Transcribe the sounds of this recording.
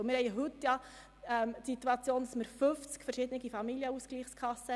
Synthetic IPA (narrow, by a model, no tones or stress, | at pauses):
mɪɾhɛɪəɦʉtːjɑ | ɛmt̪sit̪uɑt͡sjoːndɑsməɾføft͡skfəɾʃɪd̪ənɪɡifɑmiljəuskliːχskʰɑsːə